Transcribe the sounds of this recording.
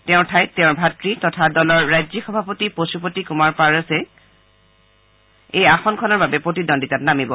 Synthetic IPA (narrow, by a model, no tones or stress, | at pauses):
tɛʊ̃tʰajtɛʊ̃ɹbʱatɹitɔtʰadɔlɔɹːajzixɔbʱapotiposup̬otikumaɹpaɹasɛ | ejaxɔnkʰɔnɔɹbabɛpɹotidɔndʱitatnamibɔ